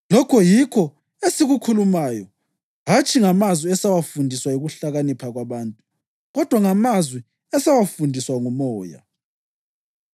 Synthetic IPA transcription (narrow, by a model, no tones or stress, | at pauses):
lɔkʰɔjikʰɔ | esiɣukʰulumajɔ | ɦat͡ʃʰʼiŋamazwiɛsawafundʱiswaiɣuɬaɣanipʰaɣwaβaːntʼu | ɣɔd̥ʱwaŋamazwi | ɛsawafundʱiswaŋumɔːja̰